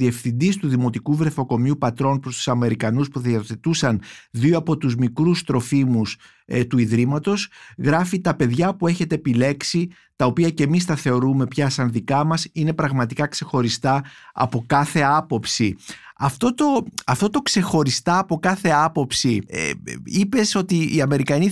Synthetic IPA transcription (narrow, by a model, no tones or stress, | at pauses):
ðie̞fθind̪ist̪uðimo̞t̪ikuvɾe̞fo̞ko̞miupɐt̪ɾo̞npɾo̞st̪u̥sɐme̞ɾikɐnuspuðioθe̞t̪usɐnðioɐpo̞t̪uzmikɾust̪ɾo̞fimus | t̪uiðɾimɐt̪o̞sɣɾɐfit̪ɐpe̞ðʝɐpue̞çe̞t̪e̞ːpile̞ksi | t̪ɐo̞piɐce̞mist̪ɐθe̞o̞ɾume̞pçɐsɐnðikɐmɐsine̞pɾɐɣmɐt̪ikɐkse̞xo̞ɾist̪ɐɐ̰po̞kɐθe̞ɐpo̞psiɐft̪o̞t̪o̞ɐft̪o̞t̪o̞kse̞xo̞ɾist̪ɐːpo̞kɐθe̞ɐpo̞psḭ | ipe̞so̞t̪iːɐme̞ɾikɐni